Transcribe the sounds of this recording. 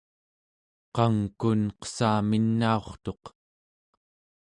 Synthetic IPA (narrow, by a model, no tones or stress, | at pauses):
qɑŋkunqə̥saːminːao̞χt̪o̞q